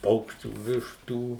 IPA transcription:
ˈpɐʊkʃʲt͡ʃʲuː ˈʋʲɪʃtuː

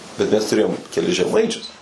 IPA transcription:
bʲɛt ˈmʲɛs tʊˈrʲeːjoːm kʲɛˈlʲɪs ʒʲɛˈmɐɪt͡ʃʲʊs

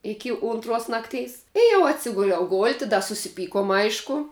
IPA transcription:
ˈɪkʲɪ ˈʊntruɔs ˈnɑːkˌtʲɛɪs ɪ jɛʊ ɐtʲˈsʲɪɡʊlʲɛʊ ˈɡoːlʲtʲɪ dɐ sʊsʲɪˈpʲiːkoːm ˈɐɪʃkʊ

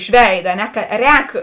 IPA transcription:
ɪʃ ˈʋʲɛɪdɐ ɐ ˈnʲɛ ˈkɐ ˈrʲɛːk

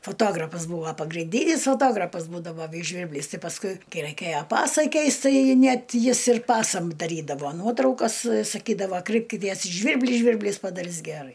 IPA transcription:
foːˈtoːɡrɐfɐs ˈbuːʋoː pɐɡrʲɪnʲˈdʲiːnʲɪs foːˈtoːɡrɐpɐs ˈbuːdɐʋoː ˈʋʲiːs ˈʒʲʋʲiːrʲbʲlʲɪs ˈtʲɪ pɐsˈkʊɪ ˈkɐɪ ˈrɐɪkʲeːjoː ˈpɑːsɐɪ ˈkʲɛɪst ˈtɐɪ ˈnʲɛt ˈjɪs ɪr ˈpɑːsɐm dɐˈrʲiːdɐʋoː ˈnuɔtrɐʊkɐs sɐˈkʲiːdɐʋoː ˈkrɐɪpʲkʲɪtʲiɛs ɪ ˈʒʲʋʲɪrʲbʲlʲɪ ˈʒʲʋʲɪrʲbʲlʲiːs pɐdɐˈrʲɪs ɡʲɛˈrɐɪ

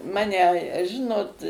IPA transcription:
ˈmɑːnʲɛ ˈʒʲɪnoːt

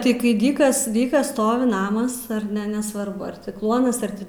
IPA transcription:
ˈtɐɪ kɐɪ ˈdʲiːkɐs ˈdʲiːkɐs ˈstoːʋʲɪ ˈnɑːmɐs ɐr ˈnʲɛ nʲɛsʋɐrˈbʊ ɐr tʲɪ ˈklˠuɔnɐs ɐr ˈtʲɪ

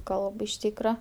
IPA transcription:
ˈkɐlˠp ɪʃ ˈtʲiːkrɐ

